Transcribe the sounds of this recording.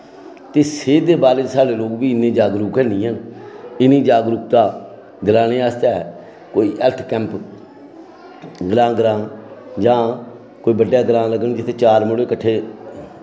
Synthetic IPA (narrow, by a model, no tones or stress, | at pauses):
t̪eːseːd̪eːbaːɾed͡ʒsaːɖeːloːkbiːɪnːẽːd͡ʒaːɡɾuːkɛːnĩːɦənɪnːĩːd͡ʒaːɡɾuːk̚t̪aː | ɡɾãːnẽːaːst̪aːɛ | koːiːʔɛlt̪ʰkɛ̃ːmp | ɡɾãːɡɾãːd͡ʒãː | koːiːbəɖjaːɡɾãːləɡənd͡ʒɪt̪ʰːeːt͡ʃaːɾməɽeːkəʈʰːeː